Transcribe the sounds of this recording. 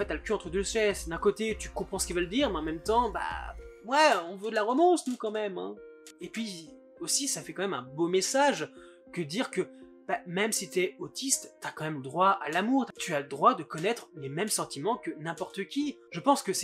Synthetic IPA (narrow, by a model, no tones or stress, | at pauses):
ɑ̃fɛt̪ːaləkʲøɑ̃t̪χəd̪øsɛsd̪ɛ̃kot̪et̪y̥kɔ̃pχɑ̃sə̥kʲivaləd̪iʁmɛɑ̃mɛmt̪ɑ̃ba̰mwaɔ̃vød̪əlaʁɔmɔ̃snukɑ̃mɛmɛ̰̃ | epɥi | osisafɛkɑ̃mɛmɛ̃bomesaʒ | kəd̪iʁkə | b̥amɛmsit̪yɛot̪ist̪ːyakɑ̃mɛmləd̪ʁwaa̰lamuʁt̪t̪ʰyaləd̪ʁwad̪əkɔnɛt̪χlemɛmsɑ̃t̪imɑ̃kənɛ̃pɔʁt̪əkʲiʒəpɑ̃skəsɛ